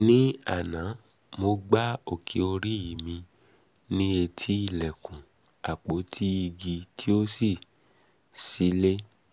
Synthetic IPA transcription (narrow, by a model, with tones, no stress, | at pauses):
nĩ˦a˦˨nã˨˦ | mo˧ɡ͡ba˦o˦˨kʰi˨˦o˧ɾi˦i˨mĩ˧ | nĩ˦e˧tʰi˦i˦˨lɛ˨kũ˨ | a˨k͡po˨˦tʰi˦i˧ɡi˧tʰi˦o˦si˦˨ | si˨˦le˦